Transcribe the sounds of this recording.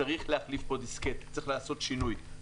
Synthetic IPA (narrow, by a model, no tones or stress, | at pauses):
aʁiχleaχlifbo̞d̪isket̪t͡sɐiχlaːso̞tʃinuj